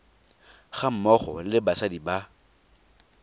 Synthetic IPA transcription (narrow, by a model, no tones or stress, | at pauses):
χam̩mɔχɔlɪbasadiba